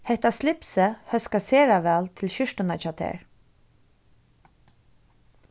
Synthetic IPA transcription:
hɛht̪aslɪpsəhœskaseːɹaʋɛːlt̪ʰɪlʃʏʂtənat͡ʃaːt̪ʰɛ̰ːɹ

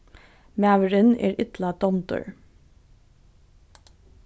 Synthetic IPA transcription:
mæʋəɹənḛːɾɪt̪lɑd̪̥ɔmt̪ʊ̰ɹ

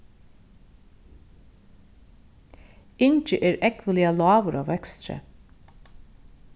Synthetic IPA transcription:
ɪnt͡ʃəʔeːɾʔɛkʋəlɪɑlɑːʋəɾɑ̰ːʋɛkst̪ɾə̰

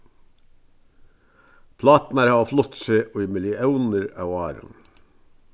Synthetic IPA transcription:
pʰlɑːt̪n̩æːɾhɑːɑflɔt̪seːʔoːɪməlɪʔɑʊnəɾɑ̰ʊɑːɾə̰n

